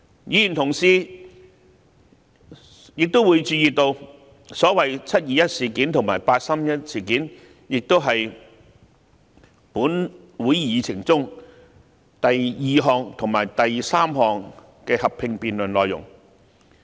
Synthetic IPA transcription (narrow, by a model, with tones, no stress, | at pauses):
jiː˨˧jy˨˩nt̪ʰʊ˨˩ŋsiː˧ | jɪ˨k̚t̪o˥wuː˨˧jt͡ʃyː˧jiː˨t̪o˧w | sɔː˨˥wɐ˨jt͡sʰɐ˥t̚jiː˨˧jɐ˥t̚siː˨˩kiː˨˥nt̪ʰʊ˨˩ŋmaː˨˩jpaː˧t̚saː˥mjɐ˥t̚siː˨˩kiː˨˥n | jɪ˨k̚t̪o˥wɦɐ˨j | puː˨˥n | wuː˨˥jjiː˨˧t͡sʰɪ˨˩ŋt͡sʊ˥ŋ | t̪ɐ˨jjiː˨ɦɔː˨ŋt̪ʰʊ˨˩ŋma̰ː˨˩jt̪ɐ˨jsaː˥mɦɔː˨ŋ | kɛː˧hɐ˨pʰːɪ˧ŋpiː˨nlɵ˨˩nlɔː˨˧jʊ̰˨˩ŋ